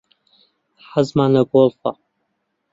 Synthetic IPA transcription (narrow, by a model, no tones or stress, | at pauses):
ħazmanɐɡʷolfa̰